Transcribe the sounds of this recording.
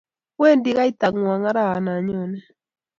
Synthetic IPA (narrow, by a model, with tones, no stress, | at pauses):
wɛ˦ndi˨˦ɣa˦i˦ta˨ŋwa˨ŋa˦ɾa˦ɣa˨na˨ɲɔ˦˨nɛ˦